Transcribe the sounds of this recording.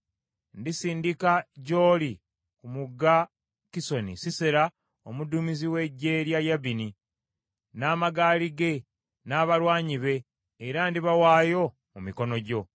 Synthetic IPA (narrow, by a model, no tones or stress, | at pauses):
ndisiːndikaɟo̞ːli | kumuɡːa | kiso̞nḭsiseɾa | omudumiziwe̞ɟːe̞ɾjajaβini | naːmaɡaːliɡe̞ | naːβaɾwaːɲiβe̞ː | ɾandiβawaːjo̞ | mumiko̞no̞ɟo̞